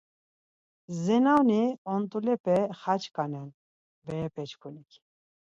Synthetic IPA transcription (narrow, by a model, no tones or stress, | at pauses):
zɛnawniɔnt̪ʼulɛpɛχat͡ʃkanan | bɛɛpʰɛt͡ʃʰkʰunikʰi̥